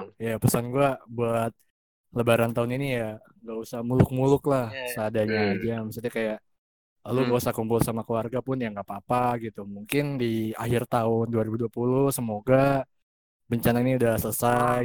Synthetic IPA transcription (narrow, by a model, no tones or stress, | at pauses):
japəsanɡuabuat̪̚ | ləbaɾant̪aʊninija | ŋɡausahmulʊk̚mulʊklahsəadaɲaːd͡ʒaməsat̪ɲakajaʔ | laluɡausahkumbʊlsamakəluarɡapʊnjaŋɡapaːpaɡit̪umuŋkɪndiaɦɪrt̪aʊnduaɾibuduapulʊhsəmoɡa | bəɲt͡ʃanainiudahsələsa